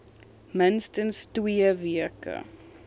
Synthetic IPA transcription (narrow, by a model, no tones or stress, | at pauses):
mɪnstənstwiəviəkə̰